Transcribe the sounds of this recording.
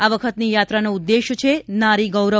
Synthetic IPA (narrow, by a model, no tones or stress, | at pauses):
aʋəkʰət̪nijat̪ɾanoud̪ːeʃt͡ʃʰenaɾiɡəwɾə